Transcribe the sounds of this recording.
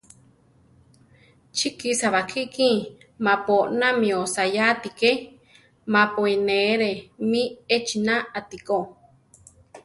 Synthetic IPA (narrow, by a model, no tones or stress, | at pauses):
t͡ʃʰikisaβakʰiʔkĩ | mãpoʔnamĩosajat̪ike | mapoineɾemĩet͡ʃinãat̪iko